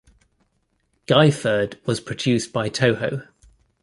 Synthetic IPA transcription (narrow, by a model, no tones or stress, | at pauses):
ɡ̥aɪfəːdwɒz̥pʰɹ̥əd͡ʒʉˑsb̥aɪtʰəʊhəʊ